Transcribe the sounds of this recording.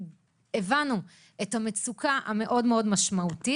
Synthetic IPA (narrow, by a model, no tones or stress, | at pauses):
evanu | ethamet͡sukʰaʔame̞ʔo̞dmeo̞dmaʃmauti